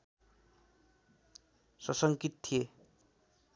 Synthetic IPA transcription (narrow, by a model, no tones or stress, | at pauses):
sʌsʌŋkit̪̚t̪ʰːie